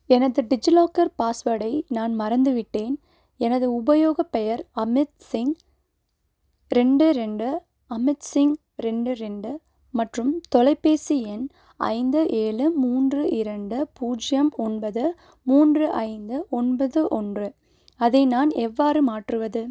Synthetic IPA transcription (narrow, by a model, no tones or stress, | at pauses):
ɛnɐðɯɖɪd͡ʒɪloːkɐɾpaːsʋɐɽɐɪnaːnmɐɾɐnd̪ɯʋɪʈːeːn | ɛnɐðɯʊbɐjoːɣɐpːɛjɐɾɐmɪt̪sɪŋɡ | ɾɛɳɖɯɾɛɳɖɯ | ɐmɪt̪sɪŋɡ | ɾɛɳɖɯɾɛɳɖɯ | mɐʈrɯmt̪ɔlɐɪpːeːsiɛn | ɐ̰ɪnd̪ɯʔeːlɯmuːndrɯʔɪɾɐɳɖɯpuːd͡ʒɪjɐmɔnbɐðɯ | muːndrɯʔɐɪnd̪ɯʔɔnbɐðɯʔɔndrɯ | ɐðɐɪnaːnɛʋːaːɾɯmaːʈrɯʋɐðɯ